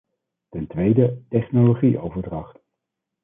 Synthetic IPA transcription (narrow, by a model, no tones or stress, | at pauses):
tɛntʋejdətɛχnoloχiʔowvəɹdrɑχt